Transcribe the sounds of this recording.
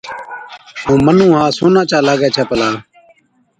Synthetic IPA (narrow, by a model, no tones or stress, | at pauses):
ɦũːmənũːɦãːsoːnãːt͡ʃaːlaːɡɛːt͡ʃʰɛːpəlaː